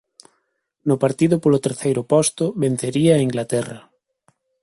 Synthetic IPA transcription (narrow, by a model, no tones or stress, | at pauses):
nʊpaɾt̪iðʊpolʊt̪eɾθejɾʊpɔst̪ʊβen̟θeɾiaːiŋɡlat̪ɛrɐ